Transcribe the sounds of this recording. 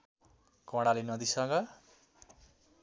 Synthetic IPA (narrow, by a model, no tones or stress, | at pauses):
kɔ̃ɽalenʌd̪isʌɡʌ